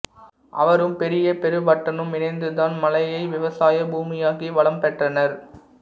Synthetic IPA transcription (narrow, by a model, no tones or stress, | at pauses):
ʔɐʋɐɾɯmpɛɾɪjɐpɛɾɯʋɐʈːɐnɯmɪnɐɪnd̪ɯðaːnmɐlɐjɐɪʋɪʋɐsaːjɐbuːmɪjaːɣiʋɐɭɐmpɛʈrɐnɐɾ